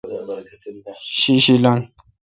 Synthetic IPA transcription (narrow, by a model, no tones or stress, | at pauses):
ʃiʃilan